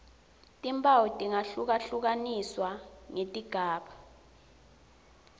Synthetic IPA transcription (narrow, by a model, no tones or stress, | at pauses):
tʼimpʰʼawɔtʼiŋaɬuk̬aɬuk̬aniswaŋetʼiɡ̥ʱaːɓa